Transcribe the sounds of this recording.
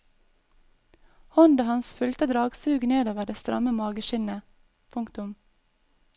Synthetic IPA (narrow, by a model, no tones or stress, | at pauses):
hɔnd̪əhɑnsfʉlt̪əd̪ɾɑːɡsʉːɡneːd̪oːʋəɖɛst̪ɾɑ̰məmɑːɡəʃɪnə | pʰʊŋkt̪ʊm